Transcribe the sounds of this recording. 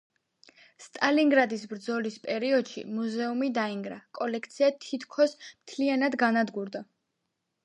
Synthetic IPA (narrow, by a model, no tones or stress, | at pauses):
st̪ʼaliŋɡɾad̪isbɾd̪zɔlispʼɛɾiɔd̪̥ʃḭmuzɛumid̪aiŋɡɾakʼɔlɛkʰt̪sʰiat̪ʰit̪ʰkʰɔsmt̪ʰlianad̪ɡanad̪ɡuɾd̪a